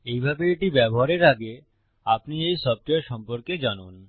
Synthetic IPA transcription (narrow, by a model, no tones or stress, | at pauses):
ejbʱabeeʈibɛboɦaɾeɾaɡe | apniejʃɔb̚ʈoeɾʃɔmpoɾked͡ʑanon